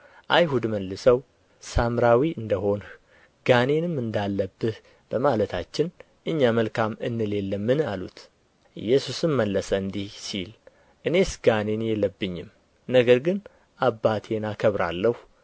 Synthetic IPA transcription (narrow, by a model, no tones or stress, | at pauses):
ʔajɦud̪məlːɨsəw | samɾawiʔɨnd̪əɦo̞n | ɡ̥anenɨmɨnd̪alːəbːɨh | b̥əmalət̪ʰat͡ʃːɪn | ʔɨɲːaməlkʰamɨ̰nːɨle̞lːəmːɨnalṵt̪ | ʔɨjːɛsusɨmməlːəsəɨnd̪ihsil | ʔɨne̞sɡanenjɛlːəbːɨɲːɪm | nəɡəɾɡɨn | ʔabːat̪ʰe̞nakʰəβɾa̰lːəhu